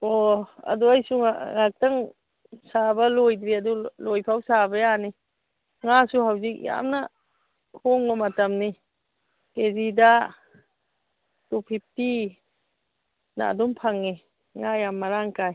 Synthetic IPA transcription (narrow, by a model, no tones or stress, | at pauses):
ɔa̰duajsuŋaŋak̚taŋ | sabalojdɾiadulojpʰawsabɐjani | ŋasuɦawzik̚ja̰mna | kʰɔŋbɐmatamni | kezida | tupʰip̚ti | na̰ːdumpʰaŋːi | ŋajamːaɾaŋkaj